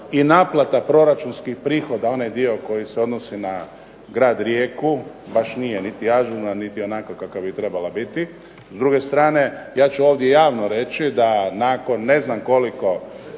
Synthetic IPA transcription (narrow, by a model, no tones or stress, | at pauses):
inaːplˠat̪apɾo̞ɾat͡ʃunskixpɾiːxo̞d̪ao̞najd̪io̞ko̞jise̞o̞d̪nosina | ɡɾaːd̪ɾjeːku | baʃnijenit̪iaʒunanit̪io̞naːkokakavbit̪ɾe̞balabit̪i | zd̪ɾuɡe̞st̪ɾaːne̞jaːt͡ʃuo̞ːʋd̪je̞jaːʋnoɾe̞t͡ʃid̪anaːko̞nːe̞znamko̞liko̞